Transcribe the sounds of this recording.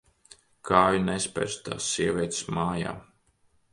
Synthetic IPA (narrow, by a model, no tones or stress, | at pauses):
kʰaːjunɛspʲɛ̰ɾst̪a̰ːsːiɛvʲiɛt̪smaːja̰ː